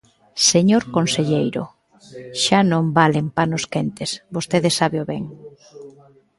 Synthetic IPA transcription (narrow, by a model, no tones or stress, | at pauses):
seɲoɾkonseʎejɾʊ̰ | ʃanõmbalempanʊskent̪esbost̪eðesaβeoβɛŋ